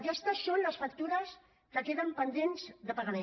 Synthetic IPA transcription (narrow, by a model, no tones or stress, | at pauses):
kɛst̪əsːonləsfək̚t̪uɾəs | kəkeðəmpənd̪enzðəpəɣəɾɛ